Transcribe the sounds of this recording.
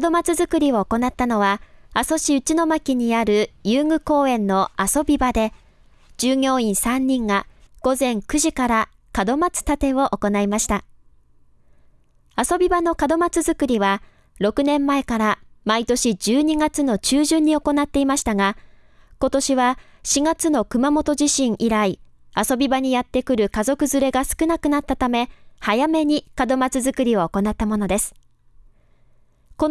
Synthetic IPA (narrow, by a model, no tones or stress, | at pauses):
kd̪o̞mat͡sɨzɨkɯ̟ɾʲio̞ːko̞nat̪ːano̞βaaso̞ɕiɯ̟t͡ɕino̞makʲiɲ̟iaɾɯ̟jɯːŋɯ̟ko̞ːẽ̞nːo̞aso̞bʲibad̪e̞ | d͡ʑɨːɡʲo̞ːĩɰ̃sãɲ̟ːĩŋɡaɡ̥o̞zẽ̞ŋkɯ̟ʑikaɾa | kad̪o̞mat͡sɨ̥t̪at̪e̞o̞ʔoko̞naimaɕi̥t̪a | aso̞bʲibano̞kad̪o̞mat͡sɨzɨkɯ̟ɾʲiβa | ɾo̞kɯ̟nẽ̞mːae̞kaɾamait̪o̞ɕid͡ʑɨːɲ̟iɡat͡sɨno̞t͡ɕɨːʑɨ̃ɲ̟ːio̞ko̞nat̪ːe̞imaɕi̥t̪aɡa | ko̞t̪o̞ɕiβaɕiɡat͡sɨno̞kɯ̟mamo̞t̪o̞ʑiɕĩɰ̃ʔiɾai | aso̞bʲibaɲ̟ijat̪ːe̞kɯ̟ɾɯ̟kazo̞kɯ̟zɨɾe̞ɡasɨ̥kɯ̟nakɯnat̪ːat̪ame̞hajame̞ɲ̟ikad̪o̞mat͡sɨzɨkɯ̟ɾʲio̞ːko̞nat̪ːamo̞no̞d̪e̞sɨ̥ | ko